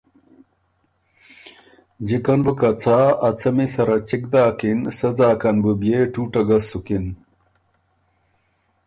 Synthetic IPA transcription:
d͡ʑikɐnbɨkɐt͡sʰaːɐt͡sʰɐmisɐɾɐt͡ɕik̚d̪aːkinsɐd͡zaːkɐnbɨbjeʈʰuːʈɐɡɐsːukin

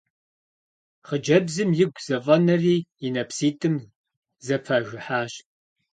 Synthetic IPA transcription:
χəd͡ʒɐbzɨmjɪɡʷz̥ɐvʼɐnɐriːjɪnɐpʰsiːtʰʼɨm | zɐpʰɐʒʷɪħaːɕ

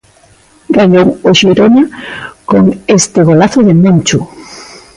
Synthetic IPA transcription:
ɡ̥aʎowoʃiɾonakoŋest̪ɪɣolaθoðemẽnt͡ʃu

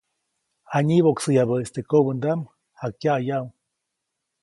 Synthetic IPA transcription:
aɲiβoksɨjaβəest̪ekobənd̪am | hakjajaw

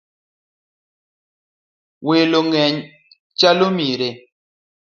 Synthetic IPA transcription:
weloŋɛɲ | t͡ʃalomiɾe

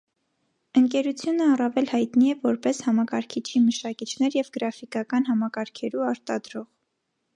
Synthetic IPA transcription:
əŋkɛɾut͡sʰjunəɑrɑvɛlhɑjt̪niɛvɔɾpɛshɑmɑkɑɾkʰit͡ʃʰiməʃɑkit͡ʃʰnɛɾjɛvɡəɾɑfikɑkɑnɦɑmɑkɑɾkʰɛɾuɑɾt̪ɑd̪ɾɔʁ

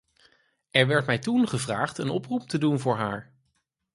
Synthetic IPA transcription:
ɛɹʋɛɹtmɛjtunχəvraːχtənɔprup̚tədunvʊːɹɦaːɹ

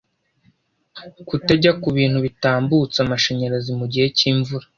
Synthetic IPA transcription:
kuteɟakuβiːnhuβitaːmbut͡samaʃeɲe̞ɾazimuɟihe̞ciːɱvuɾa

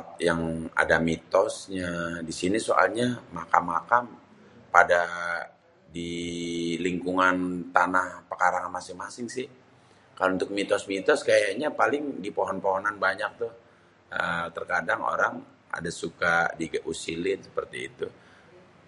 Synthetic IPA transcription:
t̪̚jaŋa̰damit̪ɔsɲadisinisoʔa̰lɲamakamːakam | pada | di | liŋkuŋant̪anahpəkaɾaŋanmasɪŋmasɪŋsɪh | kalount̪ʊk̚mit̪ɔsmit̪ɔskajaɲapalɪŋdipoɦɔnpoɦɔnanbaɲak̚t̪ʊh | ət̪ərkadaŋo̰ɾaŋ | a̰dasukadiɡʔusilɪnsə̥pərt̪ḭːt̪u

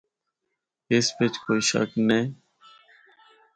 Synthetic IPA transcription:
eːspet͡ʃkoːiːʃə̰knẽː

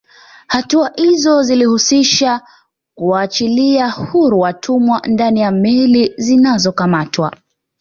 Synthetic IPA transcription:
hatuahizɔzilihusiʃa | kuaːt͡ʃiliahuɾuwatʰumwandanijamɛlizinazɔkamatwa̰

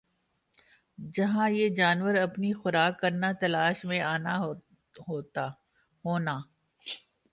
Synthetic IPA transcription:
d͡ʒɐɦãjed͡ʒaːnʋəɾɐpnixʊɾaːkːɐɾnat̪ɐlaːʃmẽaːna | ɦoːt̪a | ɦoːnaː

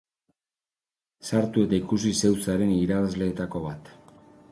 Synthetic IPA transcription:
saɾt̪ue̞t̪aikusise̞wt͡saɾe̞niɾaβazle̞ːt̪ako̞βat̪

